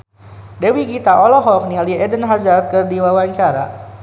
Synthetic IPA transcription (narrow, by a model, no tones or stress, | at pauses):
dewiɡit̪aʔɔlɔɦɔk̚nialiɛdənɦazart̪̚kərdiwawaɲt͡ʃaɾa̰